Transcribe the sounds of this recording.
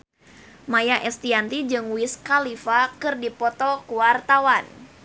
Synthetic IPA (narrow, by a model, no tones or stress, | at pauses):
majaʔɛst̪iant̪id͡ʒɨŋwiskalifakɨrdipɔt̪ɔkuwart̪awan